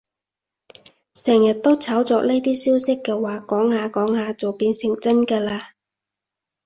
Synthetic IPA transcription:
sɛː˨˩ŋjɐ˨t̚t̪o˥wt͡sʰɐ˨˥wt͡sɔː˧k̚le˥jt̪iː˥siː˥wsɪ˥kːɛː˧waː˨˧kɔː˨˥ŋhaː˨˧kɔː˨˥ŋhaː˨˧t͡so˨wpiː˧nsɪ˨˩ŋt͡sɐ˥nkɛː˧laː˧

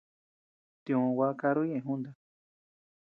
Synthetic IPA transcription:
t̪ĩ˧õ˧wa˦ka˧ɾu˦ɲẽ˦˧ẽ˨˧ɦũ˦nd̪a˧

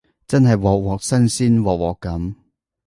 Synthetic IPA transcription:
t͡sɐ˥nɦɐ˨jwɔː˨k̚wɔː˨k̚sɐ˥nsiː˥nwɔː˨k̚wɔː˨˩kːɐ˨˥m

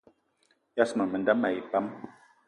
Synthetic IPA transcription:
ja˦sma˨mə˨nda˦ma˨i˨pa˦m

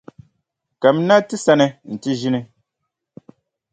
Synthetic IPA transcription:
ka˨m˦na˦tɨ˦sa˦nɛ˨n̩˨ti˦ʒi˦nɨ˦

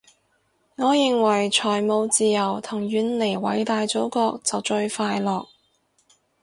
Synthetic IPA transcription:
ŋɔː˨˧jɪ˨ŋwɐ˨˩jt͡ʃʰɔː˨˩jmo˨˧wt͡siː˨jɐ˨˩wt̪ʰʊ˨˩ŋjyː˨˧˥nle˨˩jwɐ˨˥jt̪aː˨˧jt͡so˨˥wkɔː˧k̚t͡sɐ˨wt͡ʃɵ˧ɥfaː˧jlɔː˨k̚

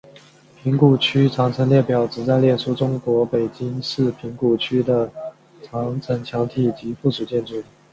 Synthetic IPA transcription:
pʰi˧˥ŋku˨˩t͡ɕʰy˥ʈ͡ʂʰɑ˧˥ŋt͡sʰɤ˧˥nljɛ˥˩pjɑ˨˩ʊʈ͡ʂɻ̩˨˩t͡sa˥˧ɪljɛ˥˩nʂʰu˥ʈ͡ʂʊ˥ŋkwɔ˧˥pe˨˩ɪt͡ɕi˥ŋʂɻ̩˥˩pʰi˧˥ŋku˨˩t͡ɕʰy˥d̪ə˨ | ʈ͡ʂʰɑ˧˥ŋt͡sʰɤ˧˥ŋt͡ɕʰjɑ˧˥ŋt̪ʰi˨˥˩t͡ɕi˧˥fu˥˩ʂʰu˨˩t͡ɕjɛ˥˧nʈ͡ʂu˥˩

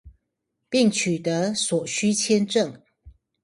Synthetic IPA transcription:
pi˥˨ŋt͡ɕʰy˨˩t̪ə˨˧˦swɔ˨˩ɕy˥t͡ɕʰjɛ˥nʈ͡ʂə˥˨ŋ

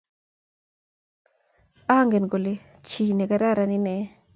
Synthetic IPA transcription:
a˦ŋɡe˨nɡo˨le˨ | t͡ʃi˨ne˨ka˦ɾa˦˨ɾa˨ni˦nɛ˨˦

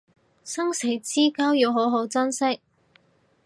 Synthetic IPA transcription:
sɐ˥ŋse˨˩jt͡siː˥kɐ˥wjiː˨˧wɦo˨˥wɦo˨˥wt͡sɐ˥nsɪ˥k̚

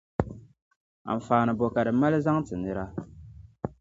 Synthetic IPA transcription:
a̰˨ɱ˨faː˨nɨ˨bo˨ka˨dɨ˨ma˦lɨ˦za˦ŋtɨ˨nɨ˦ɾa˦

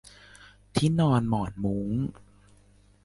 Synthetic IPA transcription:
t̪ʰiː˦˥˩nɔː˧nmɔː˨˩n̚muː˦˥ŋ

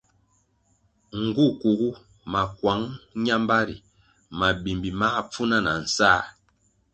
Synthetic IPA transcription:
ŋ̩˨ɡu˦˨ku˨ɣu˦ | ma˨kwa˨˦ŋɲa˦mba˦ɾḭ˨ | ma˨bi˨mbi˨ma˦p͡fu˦na˦na˨n̩˨saː˦˨

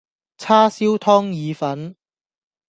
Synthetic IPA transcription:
t͡sʰaː˥siː˥wt̪ʰɔː˥ŋjiː˨˧fɐ˨˥n

